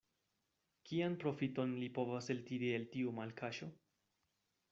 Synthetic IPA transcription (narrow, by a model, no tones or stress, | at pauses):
kianpɾo̞fito̞nlipo̞vase̞ltidieltiumalkʰaʃo̞